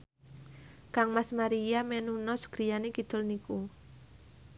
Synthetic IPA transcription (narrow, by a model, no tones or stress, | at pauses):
kaŋmasmaɾijamɛnunɔsə̥ɡ̥ɾijanekid̪̥ʊ̤lniku